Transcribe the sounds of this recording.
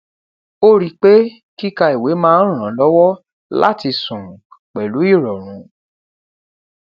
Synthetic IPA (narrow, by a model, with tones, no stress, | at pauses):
o˦ɾi˧k͡pe˦ | ki˦ka˧i˨we˨˦mãː˦˧n̩˦ɾ̃ã˨˦lɔ˦wɔ˦ | la̰˦ti˧sũ˨k͡pɛ˨lu˨˦i˦˨ɾɔ˨ɾ̃ũ˨˦